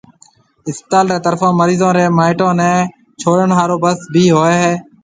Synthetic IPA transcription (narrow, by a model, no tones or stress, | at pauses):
ɪspət̪aːlɾeːt̪əɾfʰãːməɾiːzãːɾeːmaːɪʈãːnɛ̃ː | t͡ʃʰoːɾənɦaːɾoːbəsbʱiːɦoːeːɦeː